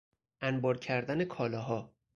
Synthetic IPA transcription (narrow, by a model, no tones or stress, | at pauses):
ʔænbɒːɾcʰæɾd̪æne̞kʰɒːlɒːɦɒː